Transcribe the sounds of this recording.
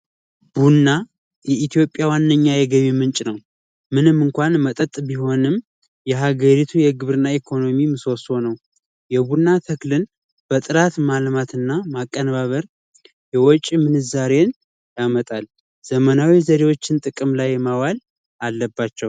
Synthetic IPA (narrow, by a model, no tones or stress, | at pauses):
b̥unːa | jɛit̪ʰijo̞pʼːjawanːəɲːajɛɡəɲːumɨnt͡ʃʼnəw | mɨnɨmːɨŋkʷanmət̪ʼət̪ʼbiho̞nɨm | jɛɦaɡəɾit̪ʰujɛɡɨβɾɨnːaikʰo̞no̞mimɨsoso̞nəw | jɛbunːat̪ʰəklɨn | b̥ət̪ʼɨɾat̪malmat̪ʰɨnːamakʼːənβaβəɾ | jɛwɔt͡ʃʼːmɨnɨzaɾe̞n | jamət̪ʼal | z̥əmənawizəɾewo̞t͡ʃːɪnt̪ʼɨkʼɨmlajːmawal | ʔalːəbːat͡ʃːɛw